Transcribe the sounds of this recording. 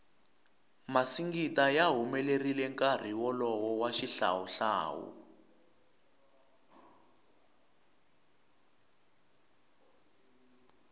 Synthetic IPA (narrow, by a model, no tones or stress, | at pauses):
masiŋɡitajaɦumɛlerilɛŋkʼar̤iwɔlɔwɔwaʃiɬa̰wuɬa̰ːwṵ